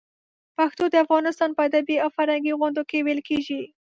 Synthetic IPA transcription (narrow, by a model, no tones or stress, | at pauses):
paxt̪od̪əafɣɑnɪst̪ɑnpəad̪abiawfaɾhaŋɡiɣʊnd̪okewelkeʒi